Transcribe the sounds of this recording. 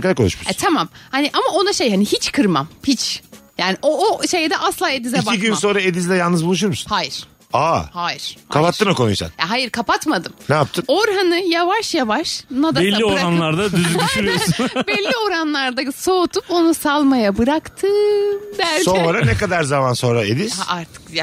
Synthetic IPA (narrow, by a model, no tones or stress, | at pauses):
kaakʰoluʃmuɛt̪ʰamamhaniʔamao̞naʃejhanihit͡ʃkʰɯɾma̰mhit͡ʃjaːniʔooʃe̞jd̪ɛʔaslˠaːe̞d̪izɛcaiɟynso̞nɾaed̪izd̪ʲɛjalˠnɯzbulˠuʃ̬uɾmusu̥nhaːjiɾ̥ | ahaːjiɾ̥akʰapat̪ːɯnakʰo̞nujsa̰njaɦajiɾkʰapat̪mad̪ɯmnaap̚t̪ʰɯmoɾɦanɯjavaʃjavaʃnad̪abɛlʲːioɾaanlˠaɾd̪ad̪yzd̪yʃyɾbɛlʲːio̞ɾanlˠaɾd̪asoːt̪ʰupo̞nusalˠmajabɯɾakt̪ʰɯːmbælʲoɛɾanekad̪aɾzamanso̞nɾaed̪izḁaɾt̪ʰɯ̥kja